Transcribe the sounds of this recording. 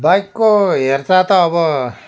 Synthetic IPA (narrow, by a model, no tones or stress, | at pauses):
bajkːoɦert͡sat̪ʌːbʌ